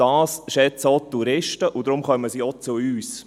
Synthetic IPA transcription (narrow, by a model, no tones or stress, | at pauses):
ɑːsʃɛt͡sot̪ːuɾɪʃtəʔud̪ɾʊmχœməsiɔt͡sʊyːs